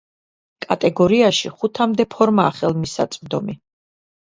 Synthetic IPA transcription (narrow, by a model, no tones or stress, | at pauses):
kʼat̪ʼɛɡɔɾiaʃḭχut̪ʰamd̪ɛpʰɔɾmaːχɛlˠmisa̰t̪sʼvd̪ɔmi